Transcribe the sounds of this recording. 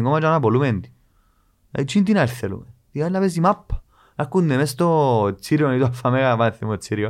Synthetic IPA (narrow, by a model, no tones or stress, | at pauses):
ŋɡɔmad͡ʒanapɔlumɛnt̪i̥ | a̰it͡ʃːint̪̬inalθelṵmɛt̪ikalapɛs̬imapːḁ | akːunːɛmɛst̪ɔsiɾjɔnit̪uafamɛkamaθimɔsiɾjɔ